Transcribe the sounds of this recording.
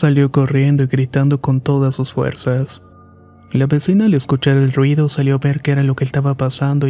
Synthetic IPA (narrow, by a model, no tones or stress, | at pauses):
saljo̞ko̞rje̞nd̪o̞iɣɾit̪and̪o̞ko̞nt̪o̞ðasːusfwe̞̰ɾsas | laβe̞sinaːleskut͡ʃaɾelrwiðo̞saljo̞βe̞ɾkeeɾalo̞keːst̪aβapasand̪o̞